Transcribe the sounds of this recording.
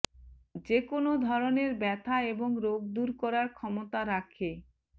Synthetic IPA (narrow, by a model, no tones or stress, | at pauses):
d͡ʑekonod̪ʱɔɾoneɾbɛt̪ʰaeboŋɾoɡ̚d̪uɾkɔɾaɾkʰɔmot̪aɾakʰe